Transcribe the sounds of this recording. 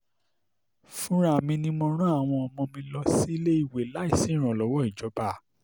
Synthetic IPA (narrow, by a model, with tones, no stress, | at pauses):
fũ˦ɾ̃a˦˨mĩ˧nĩ˧mɔ̃˧ɾ̃ũ˦a˦˨w̃ɔ̃˧ɔ˧mɔ̃˧mĩ˧lɔ˧si˦le˦i˦˨we˨la˨˦i˦˨sĩ˨˦ɾ̃ɔ̃˨lɔ˨˦wɔ˦i˦˨d͡ʒɔ˨˦ba˦˨